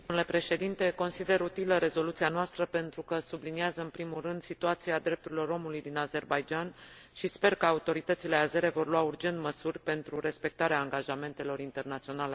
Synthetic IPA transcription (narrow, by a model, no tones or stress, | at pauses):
oule̞pɾe̞ʃe̞d̪int̪e̞ko̞nsid̪e̞ɾut̪iləɾe̞zo̞lut̪sianoast̪ɾəpe̞nt̪ɾukəsubliniazəɨnpɾimulrɨnd̪sit̪uat̪siad̪ɾe̞p̚t̪uɾilo̞ɾo̞mulujd̪inaze̞rbajd͡ʒan | ʃispe̞rkəaut̪o̞ɾit̪ət̪sile̞aze̞ɾe̞vo̞rluaurd͡ʒe̞nt̪məsurʲpe̞nt̪ɾuɾe̞spe̞k̚t̪aɾeaːŋɡaʒame̞nt̪e̞lo̞ɾint̪e̞rnat̪sio̞nale̞